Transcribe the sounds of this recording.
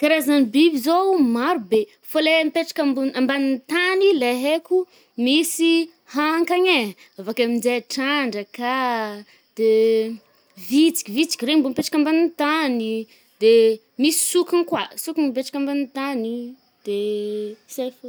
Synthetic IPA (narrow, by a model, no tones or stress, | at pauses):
kaɾazanibibizomaɾube | folempeʈ͡ʂḁkambunambanint̪anileɦekʲu | misi | haŋkaɲe | avakamind͡zeaʈ͡ʂaɳɖ͡ʐəka | d̪̥e | vit͡si̥kʲivit͡si̥kʲrembompeʈ͡ʂḁkambanint̪ani | d̪e | misi̥sukinkwasukunpeʈ͡ʂḁkambanit̪ani | d̪̥e | sajfo